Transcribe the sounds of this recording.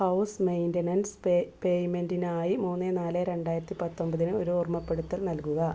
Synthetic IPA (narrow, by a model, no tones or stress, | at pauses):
hɐwsmejndɐnɐnspejmendinaːjimuːnːenaːleɾe̞ɳɖaːjiɾɐt̪ːipɐt̪ːo̞mbɐðinɨo̞ɾuurmɐpːe̞ɽut̪ːɐlnɐlkuɣɐ